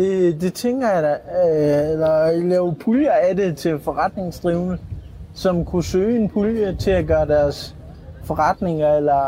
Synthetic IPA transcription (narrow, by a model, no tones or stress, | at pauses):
d̥ed̥e̝t͡sʰeŋ̰ɡ̥ɐjɑ̈dɑ | elɐlɛːʊpʰuljɐæde̝t͡sʰe̝lfɒ̽ʁɑ̈d̥ne̝ŋsd̥ʁiʊnə | sɒ̽mkʰusøːe̝npʰuljət͡sʰe̝æɡ̥ɶːɐd̥æɐs | fɒ̽ʁɑd̥ne̝ŋɐelɐ